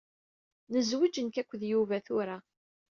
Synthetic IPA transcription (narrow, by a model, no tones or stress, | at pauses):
nəzwid͡ʒənkækʷːðjuvæθʊɾa